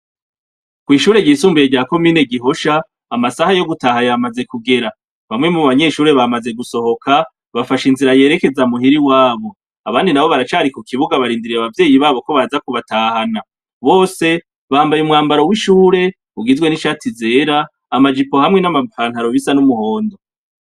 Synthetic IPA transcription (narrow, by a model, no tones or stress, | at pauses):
kwiːʃuːɾe̞ɟiːsuːmbijeɟaːko̞miːne̞ɡiɦo̞ʃaː | masahajo̞ɡutaɦajamaze̞kuɡe̞ɾa | βamŋe̞muβaɲe̞ʃuːɾe̞βamaze̞ɡuso̞ho̞kʰa | βafaʃinziɾaje̞ːɾe̞ke̞zamuɦiɾiwaːβo̞ | aβaːndinaβo̞βaɾat͡ʃaːɾikukʰiβuɡaβaɾiːndiɾiaβavje̞ːjiβaːβo̞ko̞βazakuβataːhana | βo̞ːse̞ | βaːmbajumŋaːmbaɾo̞wiʃuːɾe̞ | uɡizwe̞niʃaːtʰize̞ːɾaː | mad͡ʒipo̞hamŋe̞namapaːn̥haɾo̞βisanumuho̞ːndo